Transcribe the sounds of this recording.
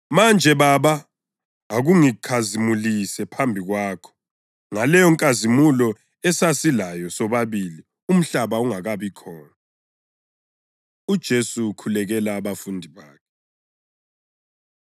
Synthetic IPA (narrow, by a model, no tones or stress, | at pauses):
mand͡ʒʱɛβaβa | aɣuŋikʰazimulisɛpʰambʱiɣwaːkʰɔ̥ | ŋalɛjɔŋkʼazimulɔ | ɛsasilajɔsɔβaβili | um̩ɬaβauŋaɣaβikʰɔːna | ud̥ʒ̥ʱesukʰulɛɣɛlaːβafundʱiβaːkʰɛ